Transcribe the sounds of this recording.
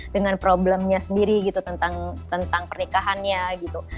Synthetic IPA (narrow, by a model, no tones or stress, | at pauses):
dəŋanpɾobləmɲasəndiɾiɡit̪ut̪ənt̪aŋt̪ənt̪aŋpərnikaɦanɲaɡit̪u